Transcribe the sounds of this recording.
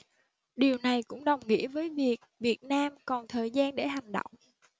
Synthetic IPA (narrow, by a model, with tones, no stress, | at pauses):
ɗi˨˩əwna˨˩jkʊ̰˧˥ŋ͡mɗə˨˩wŋ͡mŋḭ˧˥əvəː˨˦jvi˨˩ək̚vi˨˩ət̚naː˧mkɔ˨˩nt̪ʰəː˨˩jzaː˧nɗe˧˩ha˨˩jŋ̟ɗo̰˧˨wŋ͡m